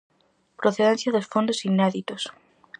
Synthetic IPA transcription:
pɾoθeðen̟θjaðesfond̪osineðit̪os

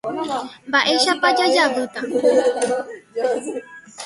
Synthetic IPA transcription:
mbaʔe̞ʃapad͡ʒad͡ʒaβɨt̪a

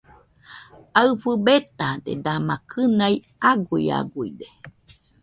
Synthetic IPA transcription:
aɨfɨbet̪adḛd̪amãkʰɨnai | aɡuia̰ɡuid̪e

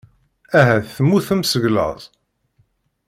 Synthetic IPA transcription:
æɦæθθəmːuθəmsəʝlə̰ðˤ

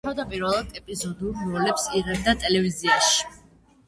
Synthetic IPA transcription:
avd̪apʼiɾvɛlˠad̪ɛpʼizɔd̪ulɾɔlɛpsiʁɛbd̪at̪ʼɛlɛviziaʃi̥

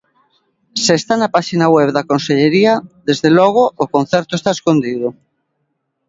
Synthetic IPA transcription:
seːst̪anapaʃinaweβðakonseʎeɾiaðezðelɔɣ̞oːkonθɛɾt̪oest̪aeskond̪ið̞ʊ

